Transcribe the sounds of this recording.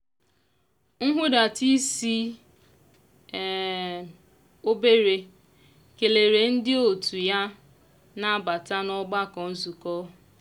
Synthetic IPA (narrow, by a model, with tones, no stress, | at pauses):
ŋ̩˦ɦʊ˦da˨ti˦si˦˨ | o˦be˦ɾe˨ | ke˨le˨ɾe˨n̩˦dɪ˦o˨tu˨ja˦ | na˦˨ba˨ta˦nɔ˦ɡ͡ba˦kɔ˨n̩˦zu˨kɔ˦